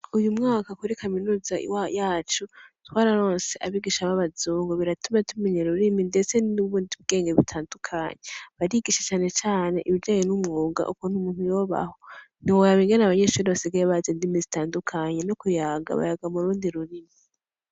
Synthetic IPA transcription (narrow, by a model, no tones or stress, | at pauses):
ujumŋaːkakuɾikʰaminuːzaḭwajaːt͡ʃutwaːɾaɾo̞ːnse̞ʔaβiɡiʃaβaβazuːŋɡoβiɾatumatʰumiɲeɾuɾiminde̞t͡se̞nuβuːndiβ̚ɡe̞ːŋɡeβitʰaːndukʰaɲeβaɾiɡiʃet͡ʃaːne̞t͡ʃaːne̞ʔiβid͡ʒaːjenumŋoːɡa̰ʔukon̥umuːn̥hujo̞ːβa̰ho̞ | n̥iwojaβiŋɡenaβaɲeʃuːɾiβasiɡaɾeβazendimizitaːndukʰaɲe̞nokujaːɡa̰βa̰jaɡamuɾuːndiɾuɾimi